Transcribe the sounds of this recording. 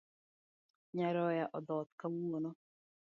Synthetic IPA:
ɲaɾɔjaʔɔdɔt̪̚kawuonɔ

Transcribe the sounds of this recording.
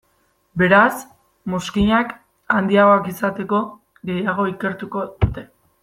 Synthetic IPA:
be̞ɾas | mo̞skiɲak | and̪iaɣo̞akisat̪e̞ko̞ | ɣe̞jaɣ̞o̞ike̞ɾt̪uko̞ðut̪e̞

